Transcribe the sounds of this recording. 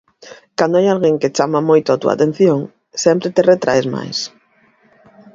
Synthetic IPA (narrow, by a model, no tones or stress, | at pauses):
kand̪oajalɣeŋket͡ʃamamojt̪ʊat̪ua̰t̪ẽn̟θjoŋ | sɛmpɾet̪eret̪ɾa̰ezma̰js